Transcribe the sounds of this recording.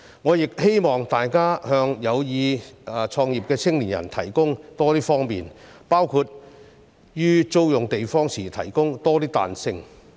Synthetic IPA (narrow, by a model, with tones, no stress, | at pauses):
ŋɔː˨˧jɪ˨k̚he˥jmɔː˨˩ŋt̪aː˨jkaː˥hœː˧ŋjɐ˨˧wjiː˨˧t͡ʃʰɔː˧ŋjiː˨p̚kɛː˧t͡sʰɪ˥ŋliː˨˩njɐ̰˨˩nt̪ʰɐ˨˩jkʊ˥ŋt̪ɔː˥t̪iː˥fɔː˥ŋmiː˨n | paː˥wkʰuː˧t̚ | jyː˥t͡so˥wjʊ˨ŋt̪e˨jfɔː˥ŋsʰiː˨˩t̪ʰɐ̰˨˩jkʊ˥ŋt̪ɔː˥t̪iː˥t̪a̰ː˨nsɪ˧ŋ